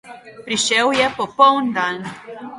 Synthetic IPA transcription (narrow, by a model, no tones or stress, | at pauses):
pɾiʃɛwjɛpɔpɔwnd̪an